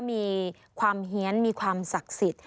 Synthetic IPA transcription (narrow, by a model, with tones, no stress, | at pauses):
miː˧ | kʰwaː˧mɦi˩˦ənmiː˧kʰwaː˧msa˨˩k̚si˨˩t̪̚